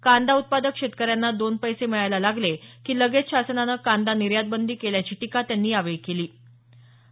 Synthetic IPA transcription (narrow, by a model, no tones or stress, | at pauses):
kand̪aut̪̚pad̪əkʂet̪̚kəɾjanːad̪onpəjseməɭajlalaɡlekiːləɡet̪ɕasənanəkand̪aniɾjad̪̚bənd̪ʱiːkeljat͡ɕiːʈikat̪janːiːaʋekeliː